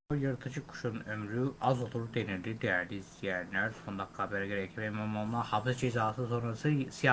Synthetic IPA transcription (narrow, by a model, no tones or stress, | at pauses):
ojɯɾɯt̪ʰɯd͡ʒɯkʰu̥ʃunømɾyazot̪ʰuɾud̪eniɾd̪id̪ejæɾd̪iːzt̪ʰijænlʲæɾso̞nd̪akʰɡabɛɾɟeɾɛcʰivɛmomonlˠahafsd͡ʒezaːsɯso̞nɾasɯsija